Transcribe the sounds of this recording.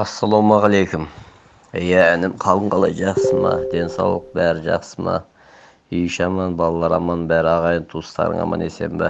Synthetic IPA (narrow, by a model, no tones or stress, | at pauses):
ɑsːɑlˠowmɑʁɑlejkʲʊm | jæænɪmqʰɑlˠəɴqʰɑlˠɑjʒɑqsəmɑ̰d̪e̞nsɑ̰wlˠəq̚bæɾɪʒɑ̰qsəmɑ̰ | ijʃɑmɑnbɑlˠɑlˠɑɾɑmɑnbæɾɑʁɑjənt̪ʰust̪ɑ̰ɾə̰ŋɑ̰mɑ̰nese̞̰mbɑ